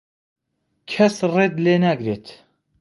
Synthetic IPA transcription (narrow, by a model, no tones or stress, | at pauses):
kʲʰɛsred̪leːnæɡɾeːt̪